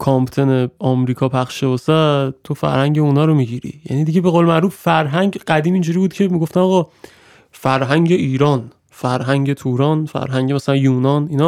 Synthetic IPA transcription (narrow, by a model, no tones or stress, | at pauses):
kʰɒmpt̪ʰeneɒmɾiːkʰɒːpʰæχʃʃebosæt̪ʰofæ̰ɾhæŋɟeunɒːɾomiɟiɾḭjæ̰niːd̪iɟebe̞ɣoːlemæʔɾuːffæɾɦæŋɟɢæd̪iːmind͡ʒuɾiːbuːd̪̥̚cʰe̞miɡoft̪æmɒɣɒː | fæɾɦæŋɟe̞ʔiːɾɒːn | fæɾɦæŋɟe̞t̪ʰuːɾɒnfæ̰ɾɦæŋɟemæsælænjuːnɒninɒ